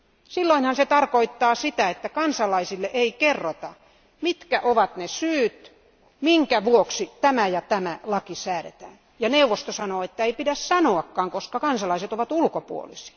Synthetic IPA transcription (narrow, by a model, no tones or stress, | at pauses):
silːoinhɑnset̪ɑrkoit̪ːɑːsit̪æet̪ːækɑnsɑlɑisilːeʔeikerːot̪ɑ | mit̪kæʔoʋɑt̪nesyːt̪ | miŋkæʋuoksit̪æmæjɑt̪æmælɑkisæːɾḛt̪æːn | jɑneuʋost̪osɑnoːet̪ːæeipidæssɑnoɑkːɑːŋkoskɑkɑnsɑlɑiset̪oʋɑt̪ulkopṵo̰lisi̥ɑ̥